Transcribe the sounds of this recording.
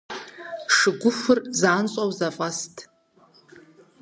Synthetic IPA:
ʂɨɡʷʊfɨrzaːnt͡sʼawzafʼastʼ

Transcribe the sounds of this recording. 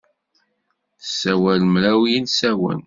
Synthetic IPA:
sːæwælmɾæwjinsæwæ̰n

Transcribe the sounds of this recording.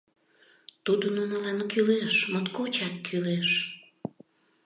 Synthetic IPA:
t̪ud̪onunəlɑnkyleʃmot̪kot͡ɕɑk̪̚kʰyleʃ

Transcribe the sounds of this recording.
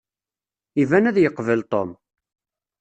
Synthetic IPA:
ivænæðjəqːvəlt̪ˤom

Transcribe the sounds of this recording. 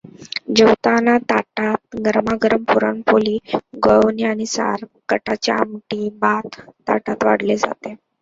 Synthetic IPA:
d͡ʑəwt̪anat̪aʈat̪̚ɡəɾmaɡəɾəmpuɾa̰nfoliːɡəwniañisa̰ɾkəʈat͡ɕea̰mʈiːbat̪ːaʈat̪ʋa̰ɽ̤led͡za̰t̪e

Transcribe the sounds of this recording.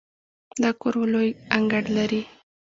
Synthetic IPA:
d̪akoɾwlojaŋɡaɽlaɾi

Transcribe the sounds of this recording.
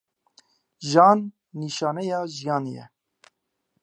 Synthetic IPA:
ʒɑːnː | iːʃɑːnɛjɑːʒijɑːnjɛ̰

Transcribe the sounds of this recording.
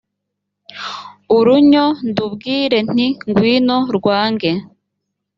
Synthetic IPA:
uɾuɲondubɡiːɾe̞n̥iŋɡwiːno̞ɾɡwaːŋɡe

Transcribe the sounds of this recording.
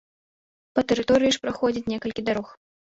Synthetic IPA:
pɐt̪ɛɾɨt̪ɔɾɨjiʂpɾaxɔd͡zʲit͡sʲnʲɛkɐlʲkʲid̪aɾɔx

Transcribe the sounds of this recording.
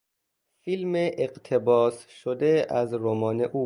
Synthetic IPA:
filmeʔeqt̪ʰebɒːsʃod̪eæzɾomɒːne̞ʔuː

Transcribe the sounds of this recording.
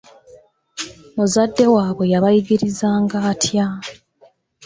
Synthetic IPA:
muzadːe̞waːβwe̞jaβajiɡiɾizaːŋɡaːtʰja

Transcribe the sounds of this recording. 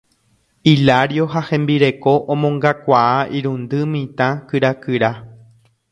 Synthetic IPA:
ilaɾjoɦahẽ̞mbiɾe̞koʔõmõŋɡakʷaaʔiɾũnd̪ɨmĩt̪ãkɨɾakɨɾa

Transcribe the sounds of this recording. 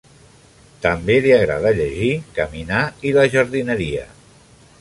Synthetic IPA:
t̪əmbeliaɣɾa̰ð̞əʎəʒikəminailəʒəɾðinəɾiə̰

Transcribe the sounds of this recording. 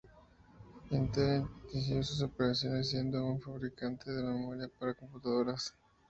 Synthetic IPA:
int̪ek̪isjosus̬o̞peɾasjo̞nes̬ːje̞nd̪o̞unfaβɾikant̪eðelamemoɾjapaɾako̞mput̪aðo̞ɾas

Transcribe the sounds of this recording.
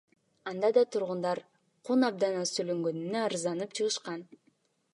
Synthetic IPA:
ɑnd̪ɑd̪ɑt̪ʰuɾʁund̪ɑɾ | qʰunɑb̚d̪ɑnɑsøløŋɡønynøɑɾɯzɑnɯpt͡ʃʰɯʁɯʃqɑn

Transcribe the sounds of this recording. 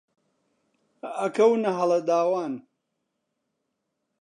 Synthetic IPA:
ɐkɐwnɐɦɐlɐd̪aːwaːn

